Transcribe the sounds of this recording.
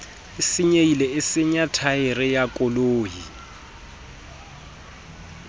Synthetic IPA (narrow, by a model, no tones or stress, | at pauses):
ɪsɪɲeilɛɪsɪɲatʰaɪrɪjakʼʊloːji